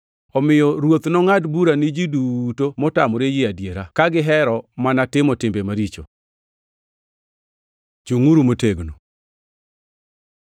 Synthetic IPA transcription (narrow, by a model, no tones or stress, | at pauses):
ɔmɪjɔɾwot̪nɔŋadbuɾanɪd͡ʒidutomɔtamɔɾejɪadjeɾakaɡɪɦɛɾɔmanatɪmɔtɪmbemaɾit͡ʃo̰ | d͡ʒuŋuɾumoteɡno